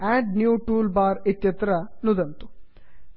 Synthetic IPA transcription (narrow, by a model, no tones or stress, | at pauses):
æɖnjuːʈuːlbaːɾit̪jɐt̪ɾɐnud̪ɐnt̪u̥